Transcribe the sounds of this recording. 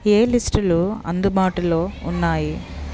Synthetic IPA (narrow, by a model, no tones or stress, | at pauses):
e̞ːlisʈuluɐ̰nd̪ubaːʈɐlo̞ːunːaːji